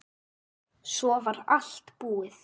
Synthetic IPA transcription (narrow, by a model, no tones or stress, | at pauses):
sɔvaɾal̥t̪puːɪθ